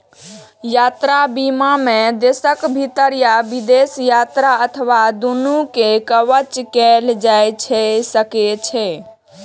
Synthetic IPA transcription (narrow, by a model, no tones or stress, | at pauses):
jat̪ɾabimamed̪esəkbʱit̪əɾjabid̪esjat̪ɾaət̪ʰəʋad̪unukekəʋət͡ʃkɛld͡ʒajt͡ʃʰɛsəket͡ʃʰɛ